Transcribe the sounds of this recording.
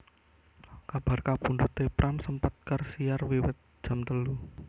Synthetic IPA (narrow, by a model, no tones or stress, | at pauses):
kab̥a̤rkapundut̪epɾʔamsəmpat̪̚kərsijarwiwɪt̪̚d̥ʒ̥a̤mt̪əlu